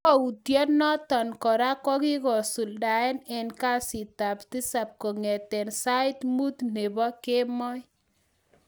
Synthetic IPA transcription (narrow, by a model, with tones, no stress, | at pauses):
kɔ˦u˨tjɔ˦nɔ˦t̪ɔ˨nkɔ˨ɾa˦kɔ˦ki˦kɔ˨su˨lda˨ɛ˦nɛ˨nka˦si˨ta˨pti˦sa˨p̚ko˨ŋe˨t̪ɛ˨nsa˦ɪ˦t̪mu˦t̪ne˨bɔ˦ke˦mɔ˦j